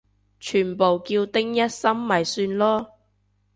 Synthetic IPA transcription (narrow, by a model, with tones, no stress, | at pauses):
t͡ʃʰyː˨˩npo˨wkiː˧wt̪ɪ˥ŋjɐ˥t̚sɐ˥mːɐ˨˩jsyː˧nlɔː˥